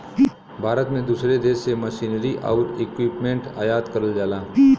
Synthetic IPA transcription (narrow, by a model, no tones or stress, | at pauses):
bʱaːɾət̪mẽd̪uːsɾed̪eːseməʃiːnɾiʔa̰ːʊɾɪkwiːpmẽɳʈa̰ːjaːd̪kəɾəld͡ʒaːlaː